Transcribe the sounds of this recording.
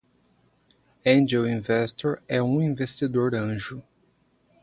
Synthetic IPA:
ẽnd͡ʒewĩvɛst̪oɾɛũĩvest̪id̪oɾɐ̃ʒʊ

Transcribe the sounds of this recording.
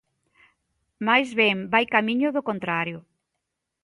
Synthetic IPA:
majzβɛmbajkamiɲʊðʊkont̪ɾaɾjʊ

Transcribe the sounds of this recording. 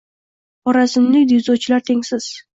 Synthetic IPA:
ɒɾasɪmlɪkʲd̪izowt͡ʃʰɪlaɾt̪ʰe̞ŋʲsɪz̥

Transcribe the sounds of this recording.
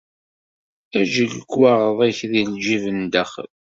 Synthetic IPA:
æʒəlɡwaʁəðˤæçðilʒivənd̪əχə̰l

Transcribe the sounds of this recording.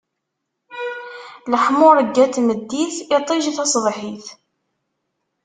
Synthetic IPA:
ləħmʊɾˤəɡːæt̪məd̪ːiθɪt̪ˤiʒθɑsˤðˤħiθ

